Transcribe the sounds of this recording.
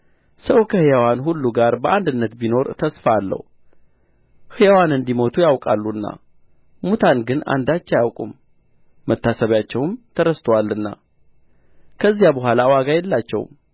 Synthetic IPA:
səwkʰəhɨjawanɦulːuɡaɾbəʔand̪ɨnːət̪bino̞ɾt̪ʰəsfalːə̰h | hɨjawanɨnd̪imo̞t̪ʰujawkʼalːuɨnːa̰ | mut̪ʰanɡɨna̰nd̪at͡ʃːɛjawkʼṵmː | ət̪ːasəβjat͡ʃːɛwmt̪ʰəɾəst̪ʰəwalːɨnːa̰ | kʰəzːijabəɦʷalawaɡajɛlːat͡ʃːɛ̰w̰m

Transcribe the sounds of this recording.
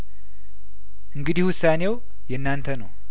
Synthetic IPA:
ʔɨŋɡɨd̪ihwʊsːane̞w | jɛnːant̪ʰənə̰w

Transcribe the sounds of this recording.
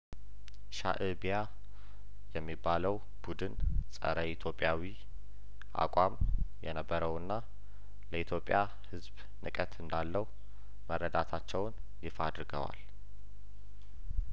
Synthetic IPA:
ʃa̰ʔɨbija | jɛmːibːaləw | b̥ud̪ɨnsʼə̰ɾəit̪ʰjo̞pʼjawi | ʔa̰kʷʼamjɛnəbːəɾəwɨnːa | ləʔit̪ʰjo̞pʼːja | hɨzb | nɨkʼət̪ɨnd̪alːəh | mərːəd̪at̪ʰat͡ʃːɛwn | jifad̪ɾɨɡə̰wa̰l

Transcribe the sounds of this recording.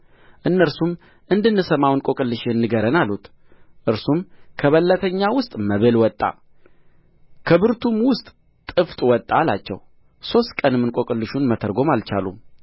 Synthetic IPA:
ʔɨnːəɾsum | ʔɨnd̪ɨnːɨsəmawnkʼo̞kʼɨlːɨʃenːɨɡəɾənalut̪ | ʔɨɾsumkʰəβəlːət̪ʰəɲːawʊst̪ʼməβelwɔt̪ʼːa̰ | kʰəbɨɾt̪ʰumwʊst̪ʼ | t̪ʼɨft̪ʼwɔt̪ʼːala̰t͡ʃːɛ̰w | so̞st̪kʼənɨmːɨnkʼo̞kʼɨlːɨʃunmət̪ʰəɾɡo̞malt͡ʃa̰lṵ

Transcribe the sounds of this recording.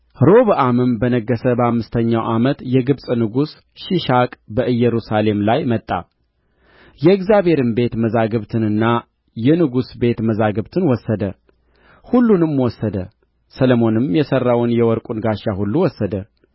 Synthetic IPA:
ɾo̞βɨʔamɨmbənəɡːəsəbəhamːɨst̪ʰəɲːawʔamət̪jɛɡɨβsʼnɨɡus | ʃɪʃakʼbəʔɨjːɛɾusale̞mlajmət̪ʼːa̰ | jɛɪɡzjaβhe̞ɾɨmbe̞t̪məzaɡəβt̪ʰɨnɨnːa | jɛnɨɡusbe̞t̪məzaɡəβt̪ʰɨnwɔsːəd̪ə | hulːunɨmwɔsːəd̪ə | sələmo̞nɨmjɛsərːawnjɛwɔɾkʼunɡaʃːahulːuwɔsːəd̪ə

